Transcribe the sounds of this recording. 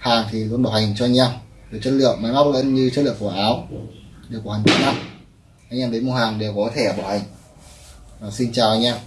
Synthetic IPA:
haː˨˩ŋt̪ʰi˨˩lu˧nɓa˧˩wha˨˩ŋ̟t͡ɕɔ˧jŋ̟aː˧mɗɨ˨˩k̚t͡ɕə˦˥t̚lɨ̰˧˨əmmaː˨˦ma˦˥k̚lə̰˧˥nɲɨ˧t͡ɕə˦˥lɨ̰˧˨əŋku˧˩əʔaː˨˦wɗe˨˩kha˨˩ŋt͡ɕa˨˦na˦˥k̚ | ʔa˧jŋ̟ʔaː˧mɗe˨˦nm˧˩haː˨˩ŋɗe˨˩wkɔ˨˦t̪ʰe˧˩ɓaː˧˩ha˨˩jŋ̟ | aː˨˩si˧nt͡ɕaː˨˩wʔa˧jŋ̟ʔaː˧m

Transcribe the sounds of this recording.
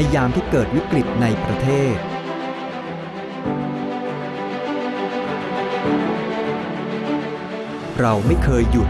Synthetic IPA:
ja˧jaː˧mt̪ʰiː˥˩kɤː˨˩t̪̚wi˦˥kɾi˨˩t̪̚na˧jpɾa˧t̪ʰeː˥˩t̪̚ | ɾa˧wma˥˩jkʰɤː˧jːu˨˩t̪̚

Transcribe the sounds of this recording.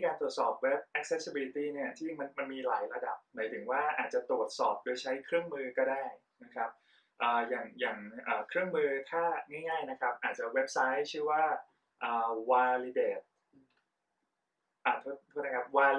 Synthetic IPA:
kaː˧nt̪ɾu˨˩ət̪̚sɔː˨˩p̚we˦˥p̚ʔɛ˦˥k̚se˦˥sʰbi˧li˧t̪iː˥˩ni˥˩ɐt̪ʰiː˥˩ma˧nma˧nmiː˧laː˩˦jɾa˧da˨˩p̚maː˩˦t̪ʰɯ˩˦ŋwaː˥˩ʔaː˨˩t̪̚t͡ɕa˨˩t̪ɾu˨˩ət̪̚sɔː˨˩p̚doː˧jt͡ɕʰa˦˥jkʰɾɯ˥˩əŋmɯː˧kɔː˥˩daː˥˩j | na˦˥kʰɾa˦˥p̚ | ʔəː˨˩jaː˨˩ŋjaː˨˩ŋʔəː˨˩kʰɾɯ˥˩əŋmɯː˧t̪ʰaː˥˩ŋaː˥˩jŋaː˥˩jna˦˥kʰa˦˥p̚ʔaː˨˩t̪̚t͡ɕa˨˩we˦˥p̚sa˦˥jt͡ɕʰɯː˥˩waː˥˩ | ʔɤː˨˩waː˧li˧deː˨˩t̪̚ | ʔaː˧˩t̪ʰu˦˥˩oː˥˩na˧˩kʰp̚waː˧

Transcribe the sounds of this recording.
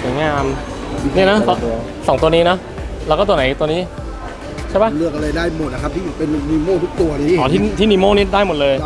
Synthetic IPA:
su˩˦jŋaː˧m | ni˥˩na˦˥t̪ː | sɔː˩˦ŋt̪u˧niː˦˥nɔ˦˥ | lɛː˧˥˩kɔ˥˩˧na˩˦jt̪u˧əniː˦˥˩ | t͡ɕʰa˥˩ba˦˥˩lɯ˥˩ək̚a˧la˧jdaː˥˩jmo˨˩t̪̚a˧kʰa˦˥p̪̚ʰi˥˩˨pe˧nːiː˧moː˥˩t̪ʰu˦˥k̚t̪u˧ɐniː˦˥˩kɔː˩˦t̪ʰiː˥˩t̪ʰiː˥˩niː˧moː˥˩niː˦˥daː˥˩jmo˨˩lɤː˧j

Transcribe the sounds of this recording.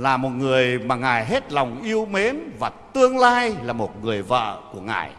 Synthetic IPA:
laː˨˩mo˨˩t̚ŋɨ˨˩əjmaː˨˩ŋaː˨˩jɦe˦˥t̚la˨˩wŋ͡mʔi˧əwme˨˦nvaː˨˩t̪ɨ˧əŋlaː˧jlaː˨˩mo˨˩t̚ŋɨ˨˩əjvə̰ː˧˨ku˧˩əŋa̰ː˨˩j

